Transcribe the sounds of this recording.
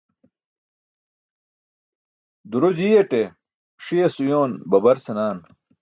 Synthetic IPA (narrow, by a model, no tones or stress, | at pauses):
d̪uɾod͡ʑijeʈe | ʂiesujoːnbɐbɐɾsɐnaːn